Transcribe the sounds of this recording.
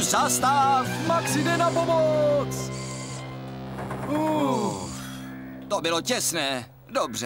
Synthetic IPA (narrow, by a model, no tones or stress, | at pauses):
zast̪aːfmaksɪdɛnapomot͡s | u | t̪obɪlocɛsnɛː | dobr̝ɛ